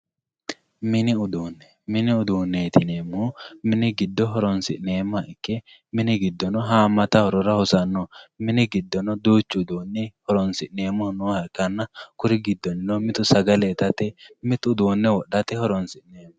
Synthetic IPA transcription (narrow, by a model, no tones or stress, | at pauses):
mɪnɪʊd̪uːnːɛ | mɪnɪʊd̪uːnːeːt̪ɪneːmːumɪnɪɡɪd̪ːɔɦɔɾɔnsɪʔneːmːɐʔɪkːɛ | mɪnɪɡɪd̪ːɔnɔɦaːmːɐt̪ɐhɔɾɔɾɐhɔsɐnːɔmɪnɪɡɪd̪ːɔnɔd̪uːt͡ʃːɪʊd̪uːnːɪhɔɾɔnsɪʔneːmːɔnɔːhɐkːɐnːɐkʊɾɪɡɪd̪ːɔnɪnɔmɪt̪ʊsɐɡɐlet̪ɐt̪ɛmɪt̪ʊd̪uːnːɛwɔɗɐt̪ɛhɔɾɔnsɪʔneːmːɐ